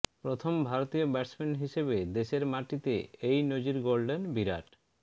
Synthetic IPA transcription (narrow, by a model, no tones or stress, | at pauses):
pɾot̪ʰombʱaɾot̪iobɛʈsmeɳʈɦiʃebed̪eʃeɾmaʈit̪ḛejnod͡ʑiɾɡolɖenbiɾa̰ʈ